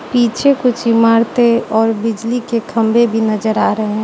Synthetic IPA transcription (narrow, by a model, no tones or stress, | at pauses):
piːt͡ʃʰekʊt͡ʃʰimaːɾt̪eɔːɾbɪd͡ʒlikekʰəmbʱebʱinəd͡ʒəɾaɾəɦeɛ̃